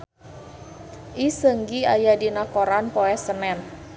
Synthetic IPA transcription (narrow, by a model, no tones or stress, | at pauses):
ʔisəŋɡiajadinakoɾanpɔɛsənɛn